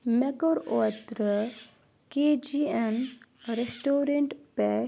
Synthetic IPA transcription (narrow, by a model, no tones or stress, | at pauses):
mekoɾoːt̪ɾə | ked͡ʒienɾesʈoːɾeɳʈpɛ